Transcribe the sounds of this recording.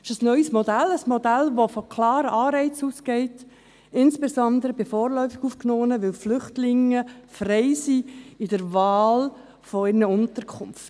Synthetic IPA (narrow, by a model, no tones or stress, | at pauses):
ɪʃəsnœʏəsmɔdæləsmɔdælʋofɔkʰlɑːɾəʔɑːɾɛɪt͡suːsɡ̥ɛɪt | ɪnsb̥ezɔnd̪əɾəbɪfɔːɾlœʏfɪɡ̥uːfknoːnəʋɪlflʏχtlɪŋəfrɛɪsiɪdəɾvaɑːl | fɔɪrnəʊntəɾkʰʊmft